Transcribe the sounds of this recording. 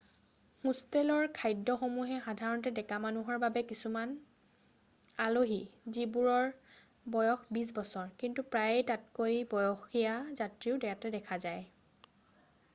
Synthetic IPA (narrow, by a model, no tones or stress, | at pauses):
hũstelɔɹkʰajdːɔxomuɦɛxadʱaɹɔntɛdɛkamanuɦɔɹbabɛkisuman | aloɦizibuɹɔɹ | bɔjɔxbis̬bɔsɔɹkintupɹajtatkojbɔjɔxijazatɹiʊdɛjatɛdɛkʰazaj